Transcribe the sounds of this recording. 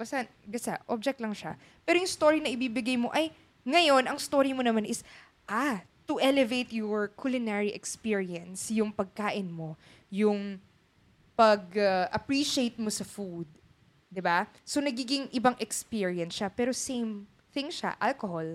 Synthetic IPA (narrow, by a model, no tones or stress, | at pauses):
bɐst̪ɐn | ɡɐsaʔob̚d͡ʒɛk̚t̪lɐŋʃa̰ | pɛːɾojʊŋst̪o̞ɹinɐʔɪbiːbɪɡajmo̞ʔɐj | ŋɐjo̞nʔɐŋst̪o̞ːɹimonɐmanɪs | ʔat̪ʊʔɛlɛvejt̪jɔɹkʰulɪnɛɹiʔɛkspiɹiɐnsjʊŋpɐɡ̚kaːʔɪnmo̞ | jʊŋ | pɐɡɐʔɐpɹiʃejt̪̚mosɐfud̪̚ | d̪ɪbaso̞nɐɡiːɡɪŋʔɪbaŋʔɛkspiɹiɐnsʃapɛːɾo̞sejm | θɪŋʃa̰ʔalkohol